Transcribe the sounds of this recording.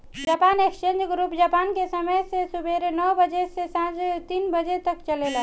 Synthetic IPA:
d͡ʒapaːnekst͡ʃẽnd͡ʒɡɾupd͡ʒapaːnkesəməjsesubeɾnɔbəd͡ʒesesãd͡ʒt̪inbəd͡ʒet̪əkt͡ʃəlela

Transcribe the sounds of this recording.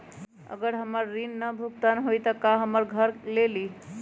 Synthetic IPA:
ə̰ɡəɾɦəməɾːinːəbʱuk̚t̪ənɦojt̪əkaɦəməɾɡʱəɾleli

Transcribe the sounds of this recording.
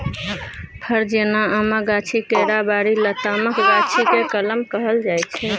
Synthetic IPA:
pʰəɾd͡ʒenaamaɡat͡ʃʰikeɾabaɾilət̪aməkɡat͡ʃʰikekələmkəɦəld͡ʒajtt͡ʃʰɛ

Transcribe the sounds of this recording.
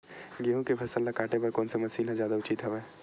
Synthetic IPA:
ɡiɦõkepʰɐsəlːakaːʈepɐɾkɔːnsemɐsiːnɦãzjaːd̪aʊt͡ʃit̪ɦɛʋɛː

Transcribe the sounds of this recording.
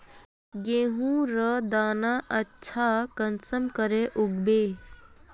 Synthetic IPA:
ɡẽːɦũɾəd̪aːnaʔətːʃʰakənsəmkəɾeʔʊɡbe

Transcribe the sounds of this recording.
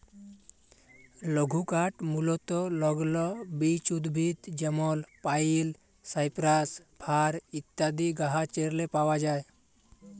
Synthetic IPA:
ləɡʱukaʈmulot̪olɔɡlɔbit͡ʃud̪bʱit̪d͡ʒəmɔlpail | saɪpɾaspʰaːɾɪt̪jad̪iɡaɦat͡ʃeɾlepawad͡ʒaːe

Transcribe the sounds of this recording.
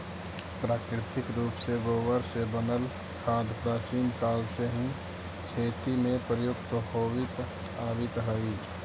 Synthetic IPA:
pɾaːkɾɪt̪ɪkɾuːpseɡoːbəɾsebənəl | kʰaːd̪pɾaːt͡ʃiːnkaːlseɦĩ | kʰeːt̪imẽpɾəjʊkt̪əɦoːwɪt̪ | aːwɪt̪ɦəi

